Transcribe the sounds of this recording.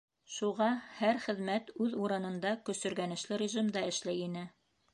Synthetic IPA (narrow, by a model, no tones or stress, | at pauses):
ʃuʁɑhæɾχɘ̆ðmæt̪ʉðuɾɤnɤ̆nd̪ɑkɵ̆sɵ̆ɾɡænɘ̆ʃlɘɾʲɪʒimd̪ɑɘ̆ʃlæjinɘ